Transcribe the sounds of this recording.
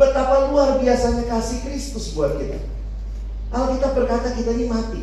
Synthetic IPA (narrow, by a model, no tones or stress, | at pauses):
bət̪apaluarbiasaɲakasɪhkɾɪst̪ʊsbuat̪̚ɡit̪a̰ | kalkit̪abərkat̪akit̪ainimat̪i